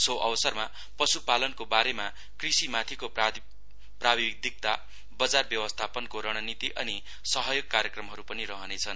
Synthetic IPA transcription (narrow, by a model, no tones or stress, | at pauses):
soʔʌbʌsʌrma | pʌsupalʌnkobaɾema | krisimat̪ʰiko | prabik̚d̪ik̚t̪a | bʌd͡zarbjʌwʌst̪ʰapʌnkoɾʌɽ̃ʌnit̪iʔʌni | sʌɦʌjoɡ̚kaɾjʌkrʌmɦʌɾupʌniɾʌɦʌnet͡sʰʌn